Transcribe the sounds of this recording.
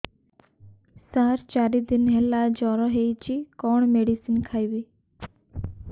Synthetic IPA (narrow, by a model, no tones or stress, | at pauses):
saːɾt͡ʃaːɾid̪ɪnɦɛlaːd͡ʒɔːɾɔɦeit͡ʃiːkɔːɳmeːɖisinkʰaːiʋiː